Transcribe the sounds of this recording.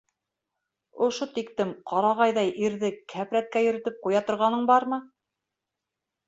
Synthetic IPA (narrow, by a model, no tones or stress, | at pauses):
ŏʃot̪ikt̪ɘmqʰɑɾɑʁɑjðɑjʔiɾðɘkʰæpɾæt̪̚kæjɵ̆ɾɘ̆t̪ɘp̚qujɑt̪ŏɾʁɑnɤɴbɑɾmɤ